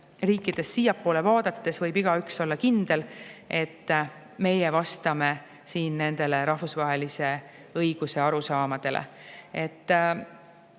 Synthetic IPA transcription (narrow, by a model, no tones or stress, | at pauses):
riːkːˑid̪̥e̞sːiːjɑpːo̞ːlevɑːd̪̥ɑt̪ːe̞svɤjbiɡ̥ɑykso̞lːɑkind̪̥e̞le̞t̪ː | me̞jevɑst̪ɑme̞ | siːnːne̞nd̪e̞leɾɑɦvusvɑɦe̞lise̞ | ɤjɡ̥use̞ɑɾusɑːmɑd̪̥e̞lʔḛe̞t̪ːˑ